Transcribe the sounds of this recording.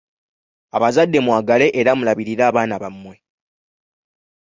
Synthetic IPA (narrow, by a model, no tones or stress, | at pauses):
aβazadːe̞mwaːɡale̞ʔeɾamulaβiɾiɾaːβaːnaβamːwe